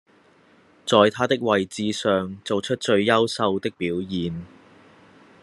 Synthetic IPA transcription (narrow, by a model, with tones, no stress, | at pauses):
t͡sɔː˨jt̪ʰaː˥t̪ɪ˥k̚wɐ˨jt͡siː˨˧sœː˨ŋt͡so˨wt͡ʃʰɵ˥t̚t͡ʃɵ˧ɥjɐ˥wsɐ˧wt̪ɪ˥k̚piː˨˥wjiː˨n